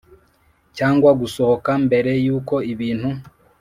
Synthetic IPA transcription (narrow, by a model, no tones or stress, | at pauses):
caːŋɡwaɡuso̞hokambe̞ɾe̞juːko̞iβiːnhu